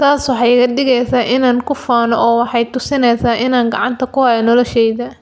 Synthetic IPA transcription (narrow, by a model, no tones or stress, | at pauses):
t̪ʰaːswɑħɑjkɐɖɪɣɛjsaːʔɪnaːnkʰʊfaːnɔʔɔːwɑħɑjt̪ʊsɪnɛjsaːʔɪnaːŋɡɑ̰ʕɑ̰nt̪ʰɐkʊhajɔnɔlɔʃɛjðɐ